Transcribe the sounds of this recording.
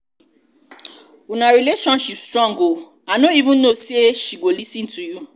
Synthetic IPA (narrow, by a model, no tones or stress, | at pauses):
unãɾileʃɔ̃nʃipstɾɔ̃ŋɡo | anõivũnoseʃiɡolisĩn̩tuju